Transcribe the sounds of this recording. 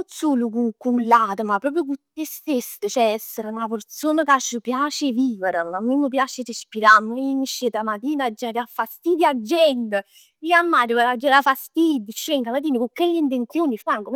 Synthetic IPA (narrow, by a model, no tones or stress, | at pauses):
suːlukukːulat̪əmapːɾɔːp̬ɾjukut̪ːest̪esət͡ʃɛɛsːəɾunapert̪soːnəkat͡ʃːəpjaːt͡ʃeviːvəɾəmamːemːəp̬jaːt͡ʃerespiɾamoiniʃːet̪amat̪iːnad͡ʒːaɾafːast̪iːd̪jad͡ʒːɛnd̪ə | iamːaːɾəkalad͡ʒːaɾafast̪id̪ət͡ʃːeŋkamat̪iːnəkukːelːint̪̬ent̪sjoːnifaŋkom